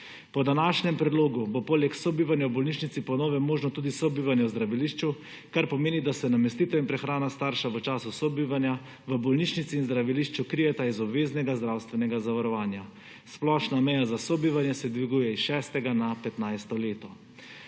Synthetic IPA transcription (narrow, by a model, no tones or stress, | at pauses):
pɔd̪anaʃnɛmpɾɛd̪loːɡubopoːlɛksɔbiːʋanjawbɔlnit͡ʃnit̪sipɔnɔːʋɛmoːʒnɔt̪uːd̪isɔbiːʋanjɛwzd̪ɾaʋiliːʃt͡ʃu | kaɾpɔmeːnid̪asɛnamɛst̪iːt̪ɔinpɾɛxɾaːnast̪aːɾʃaʋət͡ʃaːsusɔbiʋanja | ʋəbɔlnit͡ʃnit̪siːnzd̪ɾaʋiliʃt͡ʃukɾijɛt̪aizɔbʋeːznɛɡazd̪ɾawst̪ʋɛnɛɡazaʋaɾɔʋaːnja | splɔʃnamɛjazasɔbiʋanjɛsɛd̪ʋiɡuːjɛisʃɛːst̪ɛɡanapɛt̪najst̪ɔleːt̪ɔ